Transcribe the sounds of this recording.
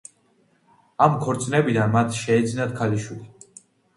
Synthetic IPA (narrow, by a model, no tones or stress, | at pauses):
amkʰɔɾt̪sʼnɛbid̪anmat̪ʰʃɛɛd̪zinat̪̚kʰaliʃili